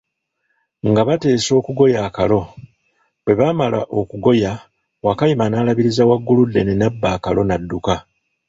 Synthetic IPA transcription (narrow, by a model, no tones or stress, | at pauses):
ŋɡaβate̞ːso̞ːkuɡo̞jaːkalo̞ | βe̞βamala̰ʔo̞kuɡo̞ja | wakajimanaːlaβiɾizawaɡːuludːe̞nenabːaːkalo̞nadːuka